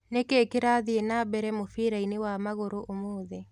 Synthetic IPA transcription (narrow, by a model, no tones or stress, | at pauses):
nekeːkeɾaðienabɛɾɛmofiɾainewamaɣoɾoʔomoːðɛ